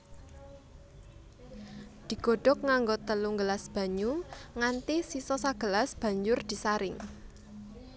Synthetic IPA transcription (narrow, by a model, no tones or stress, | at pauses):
d̪̥i̤ɡ̥o̤ɖ̥ɔ̤k̚ŋaŋɡot̪əluŋɡəlasb̥ä̤ɲuŋant̪ɪhsisɔsaɡ̥ə̤lasb̥ä̤ɲd͡ʒʊrd̪̥i̤saɾɪŋ